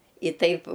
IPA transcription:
ɪ ˈtɐɪp

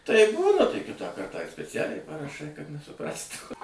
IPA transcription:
tɐɪp ˈbuːnɐ tɐɪ ˈkʲɪtɑː ˈkɐrtɑː ɪr sʲpʲɛˈt͡sʲæːlʲɛɪ pɐrɐˈʃɐɪ kɐt nʲɛsʊˈprɑːstuː

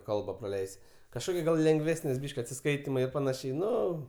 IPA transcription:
ˈkɐlˠbɐ prɐˈlʲɛɪsʲɪ kɐʃˈkoːkʲɪ ɡɐlˠ lʲɛŋɡˈʋʲæːsʲnʲɪs ˈbʲiːʃʲkʲ ɐtʲsʲɪˈskɐɪtʲɪmɐɪ ɪr pɐˈnɑːʃʲɛɪ ˈnʊ

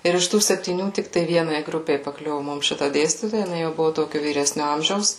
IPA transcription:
ˈɪr ɪʃ ˈtuː sʲɛpʲtʲiːˈnʲuː ˈtʲɪk tɐɪ ˈʋʲiɛnɐɪ ˈɡrʊpʲɛɪ pɐˈklʲʊʋʊ ˈmʊm ˈʃʲɪtɐ ˈdʲeːsʲtʲiːtoːjɛ jɪˈnɐɪ jɛʊ ˈbʊʋʊ ˈtoːkʲʊ ʋʲiːˈrʲæːsʲnʲʊ ˈɐmʲʒʲɛʊs

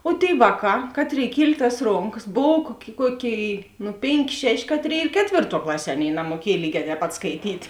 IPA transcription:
oː tʲeːɪ ˈʋɑːˌkɑː ˈkɑːtʲˌrʲeːɪ ˈkʲiɛlʲ tɐs ˈroːŋkɐs ˈboːw kuɔkʲ ˈkuɔˌkʲeːɪ nʊ ˈpʲeːŋʲˌkʲeː ˈʃʲæːˌʃʲeː ˈkɑːtʲˌrʲeːɪ ɪr ˈkʲæːtʲʋʲeːrˌtuɔ ˈklˠɑːˌsʲiɛ ˈɑːˌnʲeːɪ nɐmuɔˈkʲiɛj ˈlʲiːɡʲɛː tʲɛːp ˈpɐt skɐɪˈtʲiːt

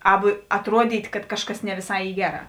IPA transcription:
ˈɑːbʊ ɐtˈruɔdʲiːtʲ kɐt ˈkɑːʃˌkɐs nʲɛ ʋʲɪˈsɐɪ ˈiː ˈɡʲæːˌrɑː

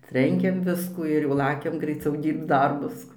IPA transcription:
ˈtʲrʲɛŋʲkʲɛm ˈʋʲɪskuː ɪr jɛʊ ˈlˠɑːkʲɛm ɡrɐɪˈt͡sʲɛʊ ˈdʲiːrpt͡s ˈdɐrbʊs

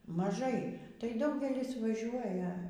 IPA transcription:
mɐˈʒɐɪ tɐɪ ˈdɐʊɡʲɛlʲɪs ʋɐˈʒʲuɔjɛ

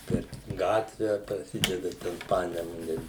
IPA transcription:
pʲɛr ˈɡɑːtʲʋʲɛ prɐˈsʲɪdʲɛdɐ ˈtʲɛn ˈpɑːnʲɛmʊnʲɛ

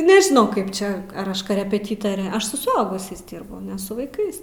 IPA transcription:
nʲɛʒʲɪˈnɐʊ ˈkɐɪp ˈt͡ʃʲɛ ɐr ˈɐʃ koːrʲɛpʲɛˈtʲiːtoːrʲɛ ˈɐʃ sʊ sʊˈɐʊɡʊsʲɛɪs ˈdʲiːrbʊ nʲɛ sʊ ʋɐɪˈkɐɪs

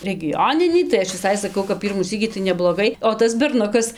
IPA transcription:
rʲɛɡʲɪˈjoːnʲɪnʲiː tɐɪ ˈɐʃ ʋʲɪˈsɐɪ sɐˈkɐʊ kɐp ˈpʲiːrmuː ˈsʲiːkʲiː tɐɪ nʲɛblˠoːˈɡɐɪ oː ˈtɐs bʲɛrˈnʊkɐs

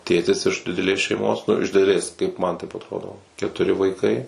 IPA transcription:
ˈtʲeːtʲɪs ɪʃ dʲɪdʲɛˈlʲeːs ʃʲɛɪˈmoːs nʊ ɪʃ dʲɪdʲɛˈlʲeːs kɐɪp mɐn tɐɪp ɐtˈroːdoː kʲɛtʊˈrʲɪ ʋɐɪˈkɐɪ

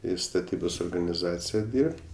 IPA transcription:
ɪ stɐˈtʲiːboːs oːrɡɐnʲɪˈzɑːt͡sʲɪjɛ ˈdʲiːrʲpʲtʲ

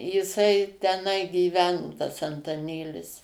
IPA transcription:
jɪˈsɐɪ tʲɛˈnɐɪ ɡʲiːˈʋʲæːnoː tɐs ɐntɐˈnʲeːlʲɪs

